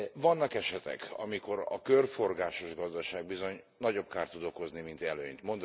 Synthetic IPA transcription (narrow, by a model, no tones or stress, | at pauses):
vɒnːɒkɛʃɛt̪ɛ̰kɒ̰miko̞ɾɒ̰kørfo̞rɡaːʃo̞ʒɡɒzd̪ɒʃaːɡ̚bizo̞ɲ | nɒɟo̞pkaːrt̪ːud̪o̞ko̞znimint̪ɛlø̰ːɲt̪mo̞nd̪